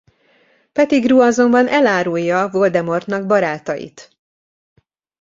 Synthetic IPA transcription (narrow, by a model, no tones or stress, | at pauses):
pɛt̪iɡruːɒzo̞mbɒnʔɛlaːɾujːɒvo̞ld̪ɛmo̞rt̪nɒɡ̚bɒɾaːt̪ɒjḭt̪